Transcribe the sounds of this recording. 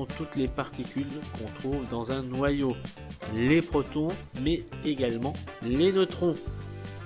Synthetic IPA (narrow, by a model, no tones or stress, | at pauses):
ɔ̃t̪ut̪lepaʁt̪ikʲylkɔ̃t̪χuvd̪ɑ̃zɛ̃nwajo | lepχɔt̪ɔ̃mɛeɡalmɑ̃lenət̪χɔ̃